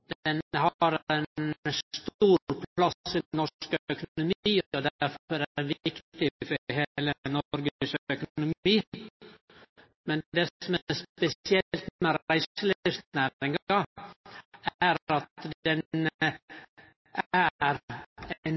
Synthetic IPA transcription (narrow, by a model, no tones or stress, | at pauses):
d̪̥ɛnhɑɾɛnnst̪uːɾɾpʰlɑɪnːɔkœkʊnʊmiːɔd̪æɾfɔɾæʋkt̪ɪfɔhelənɔɾɡəsœkʊnʊmiː | mɛnd̪ɛɔmspɛsɪɛlt̪mɛɾæɪsəlɪst̪næɾɪŋɡɑ | æɾɑt̪ɛn | ʔæɾ | n